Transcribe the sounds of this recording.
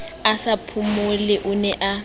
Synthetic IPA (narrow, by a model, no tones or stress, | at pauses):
asapʰumʊlɪʔʊnɛʔa